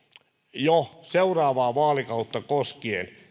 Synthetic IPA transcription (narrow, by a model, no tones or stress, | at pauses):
joseurɑːʋɑːʋɑːlikɑut̪ːɑkoskiḛn